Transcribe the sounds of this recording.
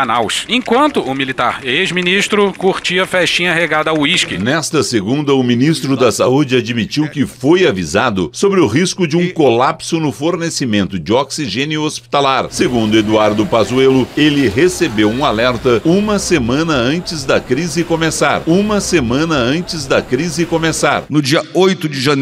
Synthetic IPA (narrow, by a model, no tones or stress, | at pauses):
nawʃẽkwɐ̃nt̪ʊʊmilit̪a̰ɾezminiʃt̪ɾʊkuɾt͡ʃiɐfɛʃt͡ʃĩɲɐɦeɡad̪ɐaʊiʃkɪnɛst̪ɐseɡũnd̪ɐʊmĩnist̪ɾʊd̪ɐsa̰ud͡ʒɪad͡ʒmit͡ʃiwkɪfojavizad̪ʊsobɾɪʊɦiskʊd͡ʒɪũkolapsʊnʊfoɾnesimẽnt̪ʊd͡ʒɪoksiʒẽniʊospi̥t̪alaɾseɡũnd̪ʊed̪uaɾd̪ʊpazuelʊelɪɦesebewũalɛɾt̪ɐũmɐsemɐ̃nɐɐ̃t͡ʃɪzd̪ɐkɾizɪkõmesaɾũmɐsemɐ̃nɐɐ̃nt͡ʃɪzd̪ɐkɾizɪkõmesa̰ɾnʊd͡ʒiɐojt̪ʊd͡ʒɪʒɐ̃